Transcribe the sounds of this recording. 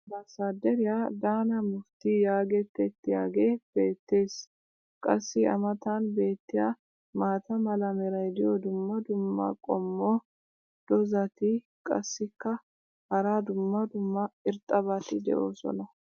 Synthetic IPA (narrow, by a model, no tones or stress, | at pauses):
bɐsad̪ɛɾɪjad̪aːnɐmʊft̪ɪjaːɡɛt̪ːɛt̪ːɪjaːɡe̞ːb̥e̞ːt̪ːe̞ːs | kʼɐsːɪɐ̰mɐt̪anbe̞ːt̪ːɪja | maːt̪ɐmɐlɐmɛɾɐjd̪ɪjɔd̪ʊmːɐd̪ʊmːɐ̰kʼɔmːoː | d̪̥ɔzɐt̪ɪ | kʼɐ̰sːɪkːɐ | hɐɾaːd̪ʊmːɐd̪ʊmːɐɪɾt̪ʼɐbɐt̪ɪd̪ɛ̰ʔo̞ːsɔ̰nɐ